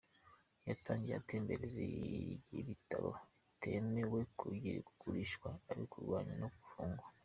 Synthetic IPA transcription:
jataːɲɟieate̞ːmbeɾezeiβitaβo̰ | tʰe̞me̞we̞kʰuɟiɾiku̥ɡuɾiʃkwaːɾikuɾɡwaːɲanoɡufuːŋɡa

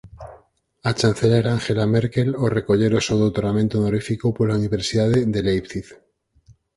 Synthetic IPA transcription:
at͡ʃan̟θelaeɾaaŋxe̞lameɾke̞lore̞ko̞ʎe̞ɾosowðot̪oɾnamẽnt̪onoɾifikopolauniβ̞e̞ɾsiðaðeðelejpθiθ

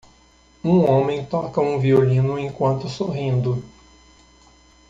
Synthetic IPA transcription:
ũõmẽj̃t̪ɔkɐũviolĩnʊẽkwɐ̃nt̪ʊsoɦĩnd̪ʊ

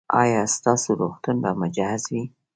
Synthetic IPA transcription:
ɑ̰jɑst̪ɑsoɾoxt̪undamʊd͡ʒɑhɪzwi

